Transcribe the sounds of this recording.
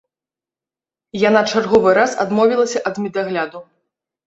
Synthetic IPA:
jan̪at͡ʂarɣɔvɨɾasa̰d̪mɔvʲilˠɐsʲɐʔɐd̪mʲid̪aɣlʲad̪u

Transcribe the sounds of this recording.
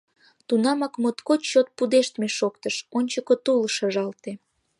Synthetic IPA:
t̪unɑmɑkmot̪kot͡ɕot̪̚pud̪eʃt̪meʃokt̪əʃonʲt͡ɕəkot̪ulʃəʒɑlt̪e

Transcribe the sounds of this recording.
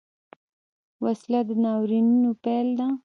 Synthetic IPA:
waslad̪ənɑwɾinunopɛld̪a

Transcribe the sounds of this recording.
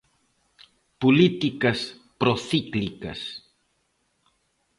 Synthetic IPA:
pulit̪ikɐs | pɾoθiklikɐ̰s

